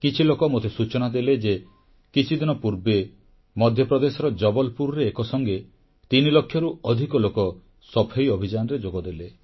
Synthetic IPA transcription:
kit͡ʃʰilokɔmot̪esut͡ʃɔnad̪eled͡ʒe | kit͡ʃʰid̪inɔpuɾbe | mɔd̪ʱjɔpɾɔd̪esɔɾɔd͡ʒɔbɔlpuɾɾeːkɔsɔŋɡe | t̪inilokʰːjɔɾuɔd̪ʱikɔlokɔ | sɔpʰejɔbʱid͡ʒanɔɾed͡ʒoɡɔd̪ele

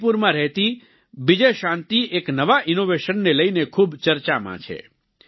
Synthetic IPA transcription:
puɾmãɾɛɦt̪i | bid͡ʒeʃãnt̪iʔeknəʋaʔɪnoʋeʃənːeləjnekʰubt͡ʃəɾt͡ʃamã̰t͡ʃʰḛ

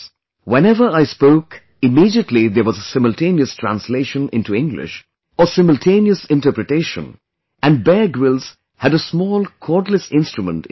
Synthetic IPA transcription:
wɛ̃nɛvə˞aɪspoʊk | ɪmidiətʰliðəwɔzəsɪ̃məltʰẽɪniəstʰɹ̥æ̰̃nsleɪʃə̃nɪ̃ntuɪ̃ŋɡlɪ̰ʃ | əsɪ̃məlˠtʰẽɪ̃niəsɪ̃ntə˞pɾɨteɪʃə̰̃n | ʔæ̃n̚bɛɹɡwɪlˠz̥ | hæɾəsmɔːlˠkʰɔɹdləsɪ̃nstɹumə̃nt

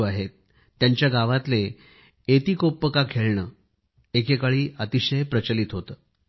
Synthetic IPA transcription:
aɦet̪ː | jaɲt͡ɕjaɡaʋat̪le | et̪iːkopːəkakʰeɭɳəː | ekekaɭiːʔət̪iɕəjpɾət͡ɕəliːt̪ɦot̪əː

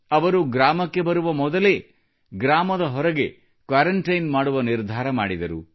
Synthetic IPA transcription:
ɐʋɐɾuɡɾaːmɐkːe̞bɐɾuʋɐmɔd̪ɐle̞ | ɡɾaːmɐd̪ɐɦɔɾɐɡe̞ | kʋaːɾɐɳʈɐjnmaːɽuʋɐniɾd̪ʱaːɾɐma̰ːɽid̪ɐɾṵ

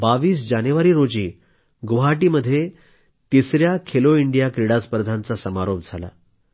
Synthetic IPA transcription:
baʋiːs̬d͡ʑanjuʋaɾiːɾod͡ʑiː | ɡuɦaʈiːməd̪ʱːje | t̪isɾjakʰeloiɳɖijakɾiɽaspəɾd̪ʱant͡sasəmaɾop̚d͡zʱala̰

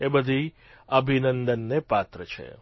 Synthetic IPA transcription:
ebəd̪ʱi | əbʱinənd̪ənːepat̪ɾət͡ʃʰḛ

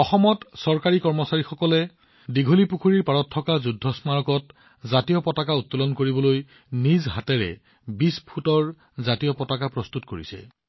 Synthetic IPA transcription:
ɔxɔmɔtsɔɹkaɹikɔɹmɔsaɹixɔkɔlɛ | diɡʱolipukʰuɹiɹpaɹɔtʰːɔkazudʱːɔsmaɹɔkɔt̚ | zatijɔpɔtakautːɔlɔnkoɹibɔloj | nizɦatɛɹɛ̰ | bispʰutɔɹ | zatijɔpɔtakapɹɔst̪utkoɹḭsɛ̰

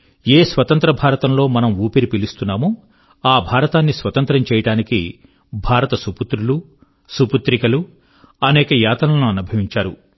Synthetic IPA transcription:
eːsʋɐt̪ɐnt̪ɾɐbʱaːɾɐt̪ɐmlo̞ːmɐnɐmuːpiɾipilist̪unːaːmu | aːbʱaːɾɐt̪aːnːisʋɐt̪ɐnt̪ɾɐmt͡ʃɛːjɐʈaːnikḭ | bʱaːɾɐt̪ɐsuput̪ɾulu | suput̪ɾikɐlu | ɐnɛːkɐjaːt̪ɐnɐnuɐnubʱɐʋiɲt͡ʃaːɾu

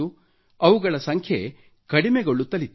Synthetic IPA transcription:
u | ɐʋuɡɐɭɐsɐŋkʰje | kɐɽimɛɡoɭːut̪ɐlit̪ː

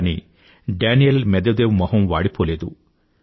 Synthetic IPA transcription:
nḭ | ɖaːnijelmɛd̪ɐd̪eːʋmɐɦɐmʋaːɽipoːleːd̪ṵ

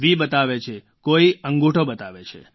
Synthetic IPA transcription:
ʋibət̪aʋet͡ʃʰe | koiəŋɡuʈʰobət̪aʋet͡ʃʰḛ

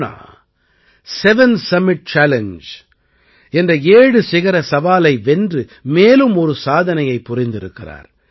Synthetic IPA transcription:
na̰ː | sɛʋɛnsɐmɪʈ̚t͡ʃaːlɛnd͡ʒ | ɛndrɐeːɽɯsɪɣɐɾɐsɐʋaːlɐɪʋɛndrɯmeːlɯmɔɾɯsaːðɐnɐjɐɪpːʊrɪnd̪ɪɾɯkːɪra̰ːɾ

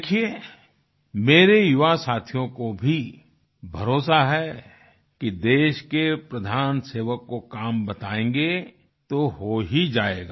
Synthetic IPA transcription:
ekʰie | meːɾejʊʋasaːt̪ʰijõkobʱi | bʱɐɾoːsaɦɛ | kid̪eːʃkepɾɐd̪ʱaːnseːʋəkːokaːmbɐt̪aːẽːŋɡe | t̪oɦoɦid͡ʒaːeːɡaː

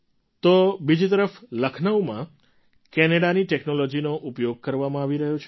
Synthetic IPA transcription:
t̪obid͡ʒit̪əɾəfləkʰnəʋmã | kɛneɽaniʈeknolod͡ʒinoʔupjoɡ̚kəɾʋamãaʋiɾəɦjot͡ʃʰ

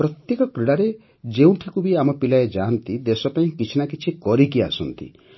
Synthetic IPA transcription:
pɾɔt̪jekɔkɾiɽaɾe | d͡ʒeũʈʰikubiamɔpilaed͡ʒaːnt̪id̪esɔpaĩkit͡ʃʰinakit͡ʃʰikɔɾikia̰sɔnt̪ḭ

